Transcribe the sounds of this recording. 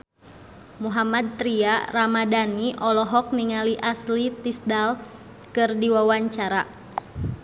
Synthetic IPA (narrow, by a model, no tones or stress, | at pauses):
muɦamad̪̚t̪ɾiaramadaniʔɔlɔɦɔk̚niŋaliʔaslit̪isdal | kɨrdiwawaɲt͡ʃaɾa